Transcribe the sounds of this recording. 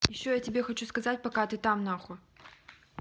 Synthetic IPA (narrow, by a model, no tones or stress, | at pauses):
jɪɕːojatʲɪbʲexɐt͡ɕuskɐzatʲpɐkat̪ɨt̪amnaxʊ